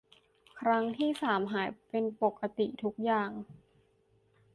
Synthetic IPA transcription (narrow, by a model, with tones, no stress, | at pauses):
kʰɾa˦˥ŋt̪ʰiː˥˩saː˩˦mɦaː˩˦jpe˧npo˨˩kːa˧t̪i˨˩t̪ʰu˦˥k̚jaː˨˩ŋ